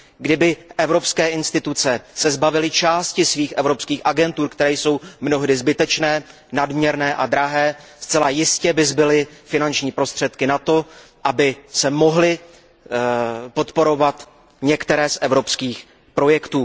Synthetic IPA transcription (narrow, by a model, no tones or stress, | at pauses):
ɡdɪbɪʔɛvɾo̞pskɛːʔɪnst̪ɪt̪ut͡sɛsɛzbavɪlɪt͡ʃaːscɪsviːxʔɛvɾo̞pskiːxʔaɡɛnt̪uːɾkt̪ɛɾɛːjso̞wmno̞ɦdɪzbɪt̪ɛt͡ʃnɛː | nadmɲɛɾnɛːʔad̪ɾaɦɛːst͡sɛlajɪscɛbɪzbɪlɪfɪnant͡ʃɲiːpɾo̞st̪r̝̥ɛt̪kɪnat̪o̞ | ʔabɪsɛmo̞ɦlɪ | po̞t̪po̞ɾo̞vat̪ | ɲɛkt̪ɛɾɛːsʔɛvɾo̞pskiːx | pɾo̞jɛkt̪uː